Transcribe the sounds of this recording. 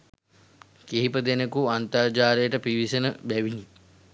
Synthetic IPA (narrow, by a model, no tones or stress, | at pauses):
keɦipəd̪enəkuant̪aɾd͡ʒaːɾejəʈəpiʋisənəbæʋini